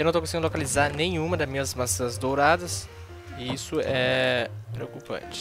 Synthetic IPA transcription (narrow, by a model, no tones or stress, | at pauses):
ewnɐ̃wt̪okõsiɡĩlokalizaɾnẽj̃ũmɐd̪ɐzmĩɲɐzmasɐ̃nɐzd̪owɾad̪ɐs | ɪisʊɛpɾeokupɐ̰̃t͡ʃɪ̥